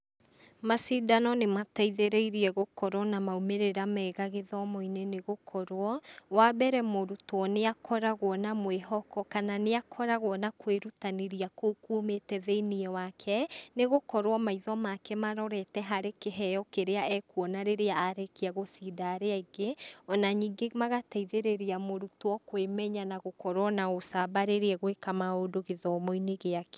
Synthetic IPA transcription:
masidanɔnemataiðeɾeiɾiɛɣokɔɾwɔnamaumeɾeɾamɛɣaɣeðɔmɔineneɣokʰɔɾoɔwabɛɾɛmoɾutwɔneakʰɔɾaɣwɔnamweɦɔkɔkananeakʰɔɾaɣwɔnakweɾutaneɾiakokuːmetɛðeiniɛwakʰɛneɣokɔɾwɔmaiðɔmakɛmaɾɔɾɛtɛɦaɾekeɦɛjɔkeɾeaɛkuɔnaɾeɾeaːɾekeaɣosiːdaɾeaiɡeɔnaɲiːŋɡemaɣataiðeɾeɾeamoɾutwɔkwemɛɲanaɣokɔɾwɔnaosabaɾeɾeɛɣwekamaodoɣeðɔmɔineɣeake̥

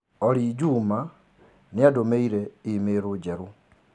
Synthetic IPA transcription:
ɔɾid͡ʒuma | nɪadomeiɾɛimeɾod͡ʒɛɾu

